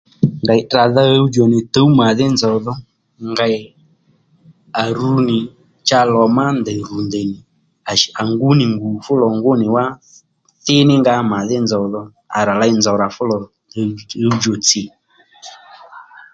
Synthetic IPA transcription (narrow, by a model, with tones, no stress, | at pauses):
ŋɡa˨ɪ˨ɗa˨ða˦˧u˦d͡ʒɔ˨nɪ˨tə˨˦u˦ma˨ðɪ˦nzɔ˨ðɔ˦ | ŋɡa˧˨ | a˨ɾu˨˧nɪ˨ | t͡ʃa˧lɔ˨ma˦ndɛ˨ɾu˨ndɛ˨nɪ˨ | a˨ʃa˨ŋɡu˨˦nɪ˨ŋɡu˨fʊ˦lɔ˨ŋɡʊ˦nɪ˨wa˦ | θɪ˦nɪ˦ŋɡa˧ma˨ðɪ˦nzɔ˨ðɔ˦ | a˨ɾa˨la˧ɪ˧nd͡zɔ˨ɾa˨fʊ˦lɔ˨˧˦ | u˦d͡ʒɔ˨t͡sɪ˨